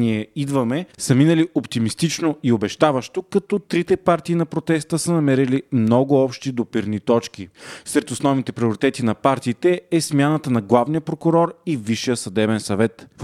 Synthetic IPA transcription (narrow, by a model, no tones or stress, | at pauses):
niɛid̪vɐmɛsəminɐliʔopt̪imist̪it͡ʃnoiobɛʃt̪avɐʃt̪okɐt̪ɔt̪ɾit̪ɛpaɾt̪iːnɐpɾot̪ɛst̪əsənɐmɛɾilimnɔɡʊɔpʃt̪id̪opiɾnit̪ɔt͡ʃk̟isɾɛt̪osnɔvnit̪ɛpɾioɾit̪ɛt̪inɐpaɾt̪iːt̪ɛɛsmʲjanət̪ənɐɡlˠavnijəpɾokʊɾɔɾiviʃijəsɐd̪ɛbɛnsɐvɛt̪f